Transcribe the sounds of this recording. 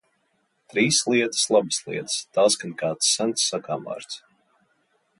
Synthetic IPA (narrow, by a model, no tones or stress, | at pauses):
t̪ɾiːslˠiɛt̪ə̥slˠabəslˠḭɛt̪st̪aːsɡankaːt̪sːant̪sːakaːma̰ːɾt̪s